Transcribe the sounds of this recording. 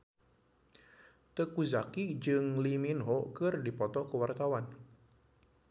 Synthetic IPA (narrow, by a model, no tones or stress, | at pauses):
t̪əkuzakid͡ʒɨŋliminɦɔkɨrdipɔt̪ɔkəwart̪awan